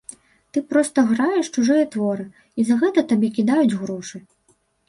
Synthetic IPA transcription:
t̪ɨpɾɔst̪ɐɣɾajɛʂt͡ʃuʐɨjɐt̪vɔɾɨ | izɐɣɛt̪ɐt̪abʲɛkʲid̪ajud͡zʲɣɾɔʂɨ

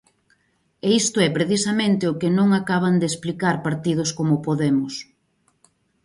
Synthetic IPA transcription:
eist̪ʊɛpɾeθisamẽnt̪ɪʊkɪnõŋakaβ̞and̪esplikaɾpaɾt̪iðʊskomʊpoðemʊs

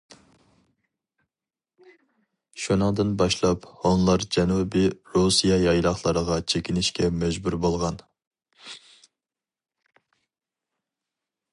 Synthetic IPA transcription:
ʃunəŋd̪ɨnbɑʃlˠɑphonlˠɑɾd͡ʒɛnubiɾusijɑjɑjlˠɑχlˠɑɾəʁɑt͡ʃʰekʲinɪʃkʲɛmɛd͡ʒbuɾbolˠʁɑn

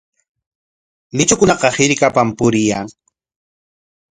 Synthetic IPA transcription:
nɪt͡ʃʊkʊnɑqɑhɪɾkapampʊɾɪjaŋ

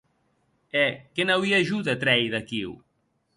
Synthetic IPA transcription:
ɛkenawiaʒuðat̪ɾɛjðakiw

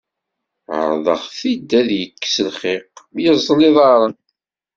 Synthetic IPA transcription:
ə̰ɾˤðˤə̰χθid̪ːæðjəkːsəlχɪqjəzˤːlɪðˤɑɾˤən

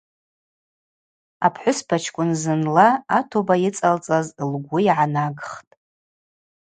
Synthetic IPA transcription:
a̰pʰħʷʊspʰat͡ʃʰkʷʼʊnzɨnlaːtʰobajɪt͡sʼalt͡sʼazlɡʷʊiʕanaɡχtʼ

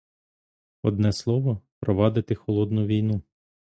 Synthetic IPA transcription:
ɔd̪nɛslˠɔʋɔpɾɔʋɑd̪ɪt̪ɪxɔlˠɔd̪nʊʋʲijnu

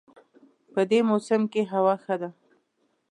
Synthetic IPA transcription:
pəd̪emosɪmkeɦawɑxəd̪a

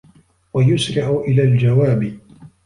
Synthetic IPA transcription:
wajʊsɾɪʕʊʔɪlaːld͡ʒawaːb

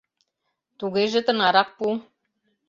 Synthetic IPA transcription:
t̪uɣeʒĕt̪ɤ̆nɑɾɑq̚pu

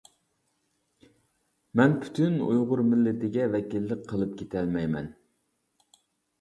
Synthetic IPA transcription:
mɛnpʰy̥t̪ʰynṵjʁʊɾmɪlːɪt̪ɪɡʲɛvɛkʲilːɪkqʰːəlˠɨp̚kʲet̪ʰɛlmɛjmɛ̰n

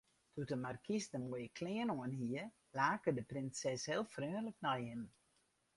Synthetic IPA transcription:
tʰutəmarkisdəmuəjəkʰlɪːənoənɦiə | laːkədəprɪnsɛshɪːlˠfrøːnləknajhɪm

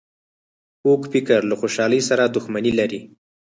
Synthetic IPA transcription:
okfɪkəɾlaxoʃɑləjsaɾad̪ʊxmanilaɾi

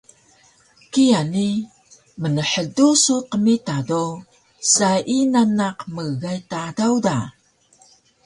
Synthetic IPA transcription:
kiani | mənəħədusuqəmitado | saʔinanaqməɣajtadawda

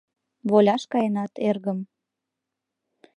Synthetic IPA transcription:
βolʲɑʃkɑjenɑt̪erɣəm

